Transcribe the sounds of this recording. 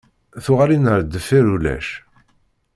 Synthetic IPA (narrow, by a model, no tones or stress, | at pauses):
θʊʁaɾinəɾd̪əfːiɾulæ̰ʃ